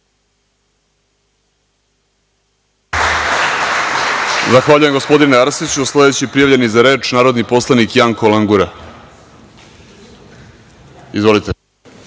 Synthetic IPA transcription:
zaxʋaːʎuje̞mɡo̞spo̞d̪ineaɾsit͡ɕuslˠe̞d̪et͡ɕipɾijaʋʎe̞nizaɾe̞ːt͡ʃnaːɾod̪nipo̞slˠanikjaŋko̞laŋɡuɾa | izʋo̞lit̪e

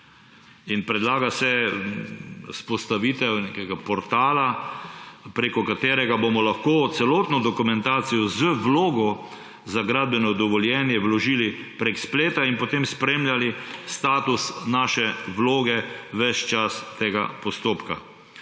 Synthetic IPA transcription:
inpɾɛd̪laːɡasɛ | spɔst̪aʋiːt̪ɛwnekɛɡapɔɾt̪aːla | pɾekɔkat̪eːɾɛɡabomɔlaxkoːt̪sɛlɔːt̪nɔd̪ɔkumɛ̃nt̪aːt̪sijɔzəʋloːɡɔ | zaɡɾaːd̪bjɛnɔd̪ɔʋɔljɛːnjɛʋlɔʒiːli | pɾekspleːt̪ainpot̪emspɾemljalist̪aːt̪usnaːʃɛʋloːɡɛʋɛt͡ʃt͡ʃast̪eːɡa̰pɔst̪oːpka̰

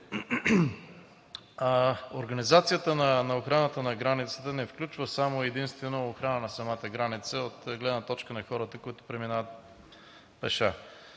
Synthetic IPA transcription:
oɾɡənizat̪sijət̪ənɐnɐoxɾanət̪ənɐɡɾanit̪sə̥t̪ənɛfklʲut͡ʃvəsamoɛd̪inst̪vɛnoːxɾanənɐsɐmat̪əɡɾanit̪səot̪ɡlɛd̪nət̪ɔt͡ʃkənɐxɔɾət̪əkoit̪ʊ̥pɾɛminavət̪̚ | pɛʃa

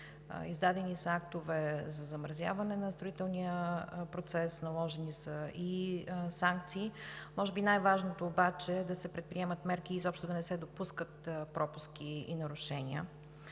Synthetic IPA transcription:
izd̪ad̪ɛnisəak̚t̪ovɛzɐzɐmɾɐzʲja̰vɐnɛnɐst̪ɾoit̪ɛlˠnijəpɾot̪sɛsnɐlˠɔʒɛnisəisaŋk̚t̪siːmɔʒɛbinajvaʒnot̪oːbat͡ʃɛd̪ɐsɛpɾɛt̪̚pɾiɛmət̪mɛɾkʲiːzɔpʃt̪ʊd̪ɐnɛsɛd̪opuskət̪pɾɔpusk̟ʲiḭnɐɾʊʃɛnḭə̰

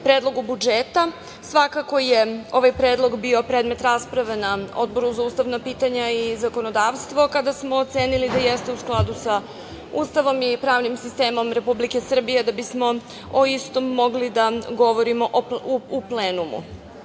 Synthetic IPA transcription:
pɾeːd̪lˠo̞ɡubud͡ʒeːt̪a | sʋakako̞je̞o̞ʋajpɾeːd̪lˠo̞ɡbio̞pɾed̪me̞t̪ɾaspɾaʋenao̞̰d̪̚bo̞ɾuzauːst̪aʋnapiːt̪aɲaizakono̞d̪aːʋst̪ʋo̞kad̪asmo̞ːt̪se̞ːnilid̪ajest̪e̞usklˠad̪usa | uːst̪aʋo̞mipɾaːʋnimsist̪e̞ːmo̞mɾe̞publike̞sr̩bije̞d̪abismo̞ | oist̪o̞mːo̞ɡlid̪aɡo̞ʋo̞ɾimo̞ʔuupleːnumṵ

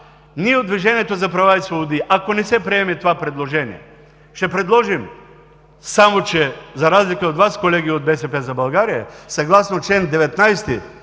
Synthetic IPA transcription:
niɛod̪viʒɛniɛt̪ozapɾavaisvobod̪iʔakonɛsɛpɾiɛmit̪ovapɾɛd̪lˠoʒɛnḭjɛ̰ | ʃt̪ɛpɾɛd̪lˠɔʒim | samot͡ʃɛzaɾazlikaod̪vaskolɛɡiod̪bɛsɛpɛzabalˠɡaɾijɛsaɡlˠasnot͡ʃɛnd̪ɛvɛt̪najst̪i

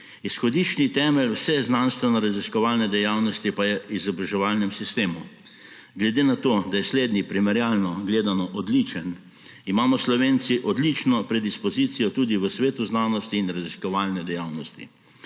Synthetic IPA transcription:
isxɔd̪it͡ʃnit̪ɛːmɛlwsɛznanst̪ʋɛnɔɾaziskɔʋaːlnɛd̪ɛjawnɔst̪ipajɛizɔbɾaʒɛʋalnɛmsist̪eːmu | ɡlɛd̪eːnat̪oːd̪ajɛsleːd̪nipɾimɛɾjaːlnɔɡleːd̪anɔʔɔd̪lit͡ʃən | imaːmɔslɔʋeːnt̪siʔɔd̪lit͡ʃnɔpɾɛd̪ispɔziːt̪sijɔt̪uːd̪iʋəsʋeːt̪uznaːnɔst̪iːnɾaziskɔʋaːlnɛd̪ɛjawnɔst̪ḭ

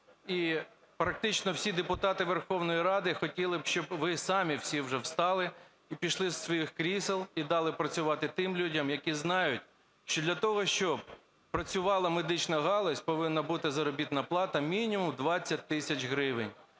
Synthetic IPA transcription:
i | pɾɐk̚t̪ɪt͡ʃnɔwsʲid̪epʊt̪ɑt̪ɪʋerxɔwnɔjiɾɑd̪ɪxɔtʲilˠɪbʃt͡ʃɔbʋɪsɑmʲiwsʲiwʒɛwst̪ɑlˠɪ | ipʲiʃlˠɪsːʋɔjixkɾʲiselˠid̪ɑlˠɪpɾɐt͡sʲʊʋɑt̪ɪt̪ɪmlʲudʲɐmjɐkʲiznɑjʊtʲ | ʃt͡ʃɔd̪lʲɐt̪ɔɦɔʃt͡ʃɔb̚ | pɾɐt͡sʲʊʋɑlˠɐmed̪ɪt͡ʃnɐɦɑlˠɔsʲpɔʋɪnːɐbut̪ɪzɐɾɔbʲit̪nɐplˠɑt̪ɐmʲinʲimʊmd̪ʋɑt͡sʲːɐt̚ʲt̪ːɪsʲɐt͡ʃɦɾɪʋɪnʲ

